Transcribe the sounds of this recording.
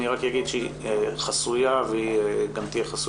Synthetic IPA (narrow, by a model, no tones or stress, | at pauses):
niʁakjaɡid̪ʃeiχasujaveɡamt̪ijeχas